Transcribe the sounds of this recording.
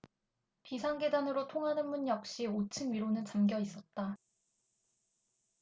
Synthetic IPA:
pisʰaŋɡe̞danɯɾotʰoŋɦanɯnmuɲjʌk̚ɕ͈iot͡ɕʰɯnɥiɾonɯnt͡ɕamɡjʌis͈ʌt̚t͈a

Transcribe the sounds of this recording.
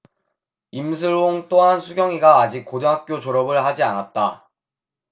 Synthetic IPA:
imsʰɯɭoŋt͈oɦansʰuɡjʌŋiɡaːd͡ʑik̚k͈od͡ʑʌŋɦak̚k͈jot͡ɕoɾʌbɯɭhad͡ʑianat̚t͈a

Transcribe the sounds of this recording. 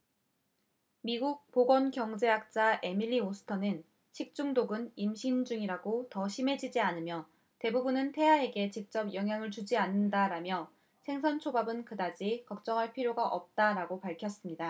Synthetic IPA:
miɡuk̚poɡʌnkjʌŋd͡ʑe̞ɦak̚t͡ɕ͈ae̞miʎːiosʰɯ̥tʰʌnɯn | ɕʰik̚t͡ɕ͈uŋdoɡɯnimɕʰind͡ʑuŋiɾaɡotʌɕʰime̞d͡ʑid͡ʑianɯmjʌ | te̞bubunɯntʰe̞ɦae̞ɡe̞t͡ɕik̚t͡ɕ͈ʌbjʌŋɦjaŋɯɭt͡ɕud͡ʑianːɯndaɾamjʌ | sʰeŋs̬ʰʌnt͡ɕʰobabɯnkɯdad͡ʑikʌk̚t͡ɕ͈ʌŋɦaɭpʰiɾjoɡaʔʌp̚t͈aɾaɡopaɭkʰjʌs͈ɯmɲida

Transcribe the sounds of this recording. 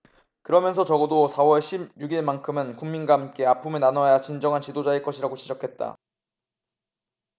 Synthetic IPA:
kɯɾʌmjʌnsʰʌt͡ɕʌɡʌdosʰawʌɭɕʰibjuɡiɭmankʰɯmɯnkumːinɡaɦamk͈e̞apʰumenanʌjat͡ɕind͡ʑʌŋɦant͡ɕidod͡ʑaeɭk͈ʌɕʰiɾaɡot͡ɕid͡ʑʌkʰe̞t̚t͈a̰

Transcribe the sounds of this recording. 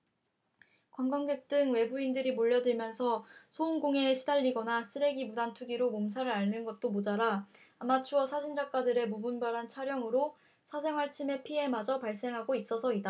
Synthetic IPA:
kwaŋɡʌŋɡek̚t͈ɯŋwe̞buindɯɾimoʎːʌdɯɭmjʌnsʰʌsʰounɡoŋe̞ɕʰidaʎːiɡʌnasʰɯɾe̞ɡimudantʰuɡiɾomoms̬ʰaɾɯɾaɭːɯnɡʌt̚t͈omod͡ʑaɾaː | mat͡ɕʰuʌsʰaɕʰind͡ʑak͈adɯɾe̞mubunbaɾɦant͡ɕʰaɾjʌŋɯɾo | sʰasʰe̞ŋɦwaɭt͡ɕʰime̞pʰie̞mad͡ʑʌpaɭs͈e̞ŋɦaɡois͈ʌsʰʌida

